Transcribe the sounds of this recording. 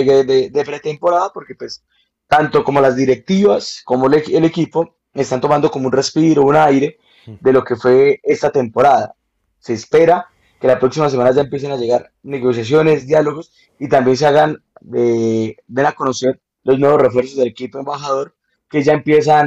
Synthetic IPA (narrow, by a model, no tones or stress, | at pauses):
eɣed̪ed̪epɾet̪e̞mpo̞ɾaðapo̞ɾkepwe̞s | t̪ant̪o̞komo̞lazd̪iɾe̞k̚t̪iβasko̞molelekipo̞ | est̪ant̪o̞mãnd̪o̞komounre̞spiɾo̞unajɾe̞ | d̪e̞lo̞ke̞fwe̞est̪at̪e̞mpo̞ɾaða̰ | se̞ːspe̞ɾa | ke̞lapɾo̞ksimas̬e̞manaʝae̞mpje̞s̬enaʝe̞ɣaɾ | ne̞ɣo̞s̬jas̬jo̞ne̞zd̪jalo̞ɣo̞s | it̪ambje̞ns̬eaɣan | ebe̞nako̞no̞se̞ɾ | lo̞znwe̞βore̞fwe̞ɾs̬o̞zd̪ele̞kipoembaxaðo̞ɾ | ke̞ʝaempje̞s̬an